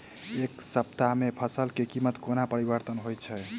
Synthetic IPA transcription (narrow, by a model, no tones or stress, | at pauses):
eksəp̚t̪amepʰəsəlkekimət̪konapəɾibəɾt̪ənɦojt͡ʃʰɛ